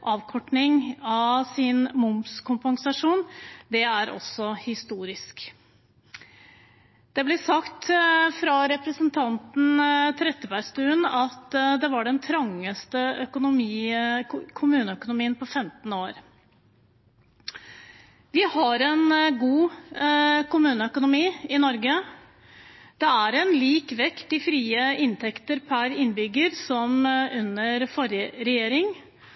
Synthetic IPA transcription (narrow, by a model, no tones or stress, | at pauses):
ʔɑːʋkʰɔʈɳɪŋɑsɪnmʊmskʰʊmpɑŋsɑʂuːnd̪ɛæɾʔɔ̰sːɔhɪst̪uːɾɪsk | d̪̥ɛblɪsɑkt̪fɾɑɾɛpɾəsənt̪ʰɑnt̪n̩t̪ʰɾɛt̪ːəbæɾst̪ʉːənɑt̪d̪ɛʋɑɖɛnt̪ʰɾɑŋːəst̪əœkʊnʊmiː | kʰʊmʉːnəœkʊnʊmiːənpʰɔfɛmt̪n̩oːɾ | ʋɪhɑɾɛnɡuː | kʰʊmʉːnəœkʊnʊmiːɪnɔɾɡə | d̪̥ɛæɾɛnliːkʋɛkt̪ɪfɾiːəɪnt̪ʰɛkt̪əɾpʰæɾɪnbʏɡːəɾsɔmʉnəɾfɔɾjəɾɛjeːɾɪŋ